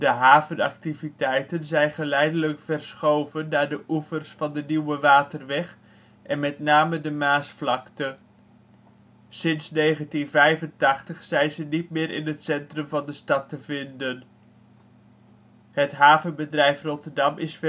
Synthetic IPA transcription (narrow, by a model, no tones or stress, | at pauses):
dəɦaːvənɑk̚tivitɛjtənzɛjnχəlɛjdələkfɛrsχowvənːaːɹdəʔufərsfɑndəniwəʋaːtərʋɛχ | ʔɛnmɛtnaːmədəmaːsflɑktə | sɪnsnejχəntinvɛjvəntɑχtəχsɛjnzənit̚mɪːɾʔɪ̰nɦətsɛntrɵmvɑndəstɑtəvɪndən | hətɦaːvənbədrɛjfrɔtərdɑmɪsf